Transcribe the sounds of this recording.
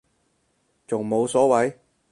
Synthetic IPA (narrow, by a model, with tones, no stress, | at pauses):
t͡sʊ˨ŋmo˨˧wsɔː˨˥wɐ˨˥j